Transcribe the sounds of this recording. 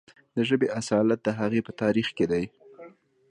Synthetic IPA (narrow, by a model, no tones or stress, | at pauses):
d̪əʒəbeʔasɑlat̪̚d̪əɦaɣepət̪ɑɾixked̪aj